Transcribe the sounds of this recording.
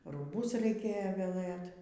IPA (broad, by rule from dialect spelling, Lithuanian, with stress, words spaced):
ruːˈbʊs rɐɪˈkʲeːjoː ʋʲɛˈlˠɘt